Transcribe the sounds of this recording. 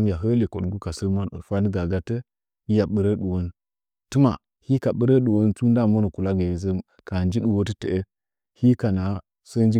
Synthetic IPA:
m˦ja˨ɦə˦li˨ko˨ɗɡu˦ka˨sə˦m˦˨fa˦ni˦ɡa˨ɡa˦tə˦ | i˦ja˨ɓə˨ɾə˦ɗu˨wo˦n˦ | tu˦ma˨ | hi˦ka˨ɓə˦ɾə˦ɗu˨wo˦nt͡su˦n˦da˦˨mo˦nə˨ku˨la˦ɡe˨zə˦m | ka˨nd͡ʒi˦ɗu˨wo˦tə˦te˨e˦ | hi˦ka˨na˨ | sə˦n˦d͡ʒi˦

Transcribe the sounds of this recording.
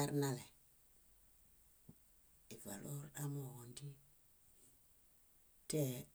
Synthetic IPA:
a˦ɾna˦le˨ | i˨va˨lo˦ɾɗa˦mo˨wo˨ndi˦ | te˦

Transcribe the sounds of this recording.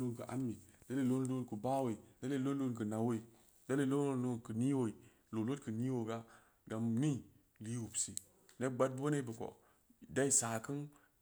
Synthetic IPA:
o˦nkə˨ʔa̰˦mːi˨d̥a˦le˦˨lo˦n˦lo˦nku˨ba˦we˨i˨da˦le˦lo˦n˦o˦nkə˨na˨wo˦i˨ | da˦le˦˨˦lo˦o˦o˦kə˨ni˦wo˨i˨ | lo˨lo˦tkə˨ni˦wo˨ɡa˦ | ɡa˨mni˦˨ | li˦wu˨bsi˨ | ne˦ɡ͡ba˦t̚bbo˦ne˦bə˨ko̰˨ | da˦i˦saː˨kɨ˦n

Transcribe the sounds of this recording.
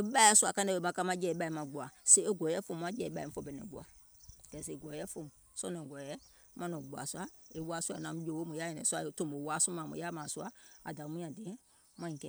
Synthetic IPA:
e˦ɓa˦ɛ˦su˦a˨kã˦n˦dɛ˧˨e˨mã˧˨ka˧˦mã˧˦d͡ʒɛ˨˦ɓa˧˨i˨mã˨ɡ͡bu˨a˨se˦e˦ɡʷɔ˨˦ɛ˦fõ˦˨mu˨˦ã˦d͡ʒɛː˦˨˦ɓa˦˨m̩̃˦fɔ˨bɛ˨nɛ̰̃˨˦ɡ͡bu˨a̰˨ | ɡ̥ɛ˨s̬e˨ɡɔ˨˦ɛ˦fo˨mũ˨ | sɔ˦nɛ̃˨ɡɔ˨jɛ˦ | mã˦nɔ̃˨ɡ͡bu˨a̰˨su˦a˦e˨wa˨˦su˦a˨nã˨mũ˦d͡ʒo˨˦wo˦mũ˨ja˦jɛ̃˨nɛ̰̃˨su˦a˨˦tõ˦˨m˨o˨˦wa˨˦sũ˦mã˨mṵ̃˨˦ja˦mãː˨su˦a˦a˨da˨˦mũ˦ã˨dẽ˨˦ | mã˦ĩ˨kɛ˨

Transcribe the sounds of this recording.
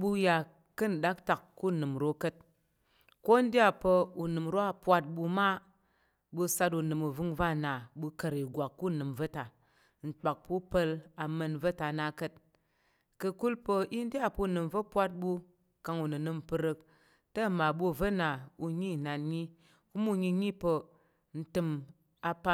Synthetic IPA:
ɓu˧ja˨ | kɨ˦n̩˨ɗa˦k̚ta˨kkːu˦nɨ˨mɾo˦kə˦t̚ | ko˦n˦di˦a˨pə˧u˨nɨ˨mɾo˦a˦pʷa˧t̚ɓu˧ma˦ | ɓu˧sa˧tu˨nɨ˨mu˨vɨ˦ŋva˦na˨ɓu˧kə˨ɾi˨ɡʷa˨kːu˦nɨ˨mvə˦ta˨ | n̩˨k͡pa˨k̚pu˦pə˧la˨mə˧nvə˦ta˨na˧kə˨t̚ | kə˨ku˦lpə˧ʔi˦n˦di˦a˨pə˦u˨nɨ˨mvə˦pʷa˦t̚ɓu˧ | ka˧ŋu˨nɨ˨nɨ˧mpɨ˧ɾɨ˧k̚ | tə˦˨ma˨ɓu˦˨və˦na˨u˧ɲi˦˨na˨nɲi˦ | ku˦mu˦ɲi˧ɲi˦pə˧ | n̩˦tɨ˧m | a˧pa˦

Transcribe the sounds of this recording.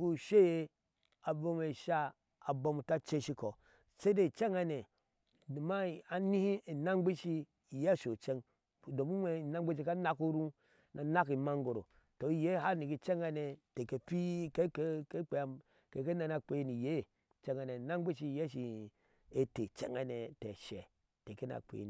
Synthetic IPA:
u˦˨ʃe˦je˦ | a˨bo˦me˨ʃa˦ | a˨bo˦mu˨ta˦t͡ʃe˦ʃi˦ko˨ | se˦de˦˨t͡ʃe˦ŋa˨ne˨ | ni˨ma˦a˨nĩ˦hi˦˨na˦ŋ˦ɡ͡be˦ʃi˦˨ | je˦˨ʃo˨t͡ʃe˦ŋ˨ | do˨mu˦e˨na˦ɡ͡be˦ʃ̬i˦˨ka˦na˦ku˦ɾu˦ | nʔa˨na˦ki˨ma˦ŋɡo˨ɾo̰˨ | to˨i˦je˦ha˦ni˨ki˦˨t͡ʃe˦ŋa˦ne˨te˨ke˨pi˦ke˦ke˦k͡pe˨ | ke˨ke˦na˨na˨k͡pe˨jni˨je˦˨ | t͡ʃe˦ŋa˨ne˨na˦ŋ˦ɡ͡be˦ʃi˦˨je˦ʃ̬i˨ | e˦te˨t͡ʃḛ˦ŋa˨ne˨tɛ˨ʃɛ˨ | te˨ke˦na̰˨k͡pḛ˨n˨

